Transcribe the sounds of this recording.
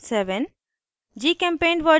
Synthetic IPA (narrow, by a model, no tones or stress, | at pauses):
seʋɛn | d͡ʒiːkɛ̃mpẽːnɖʋə